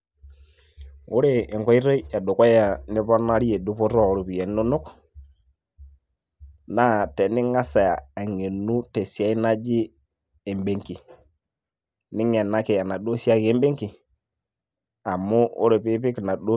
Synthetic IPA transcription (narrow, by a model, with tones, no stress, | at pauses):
ʊ˦ɾe˨ɪ˨ŋkɔ˦i˦ɾo˦ɛ˨dʊ˨kɔ˦ja˨nɪ˦pɔ˦na˦ɾi˦je˨du˦po˦ɾɔ˦˨ɾo˨pi˨e˨˦nʊ˦nʊ˦k | na˦tɛ˨nɪ˦ŋa˦sa˨a˨ŋe˨nu˦te˨si˨a˦i˦na˦d͡ʒɪ˦ | e˨mbe˨ŋki˨ | nɪ˦ŋɛ˨na˦kɪ˨a˨na˨ɗo˦si˦a˦ke˦mbe˦ŋkɪ˨ | a˨mʊ˦ʊ̰˦ɾe˨pɪ˦pɪ˦kna˨ɗo˦